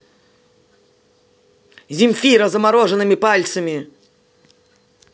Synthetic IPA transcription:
zʲimʲfʲiɾɐzɐmaɾɔʐɨnɨmʲipalʲt̪sɐmʲi

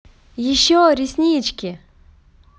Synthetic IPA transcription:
jɪɕːoɾʲisʲnʲit͡ɕkʲɪ

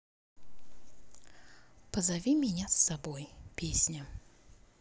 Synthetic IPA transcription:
pəzavʲimʲɪnʲasːɐbojpʲesʲnʲə

